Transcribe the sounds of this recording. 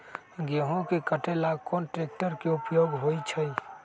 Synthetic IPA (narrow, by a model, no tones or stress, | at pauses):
ɡeɦõkekəʈelaɡkonʈɾek̚ʈəɾkeupjoɡɦojt͡ʃʰəj